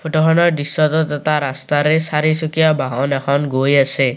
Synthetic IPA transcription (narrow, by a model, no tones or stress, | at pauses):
pʰoʈokʰɔnɔɾdisɔt̪ɔt̪ɔt̪aɾast̪aɾesaɾisokijabaɦɔnɛkʰɔnɡojase